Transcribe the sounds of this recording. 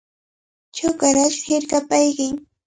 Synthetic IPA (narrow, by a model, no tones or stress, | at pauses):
t͡ʃʊkaɾaʃhɪɾkapajkɪŋ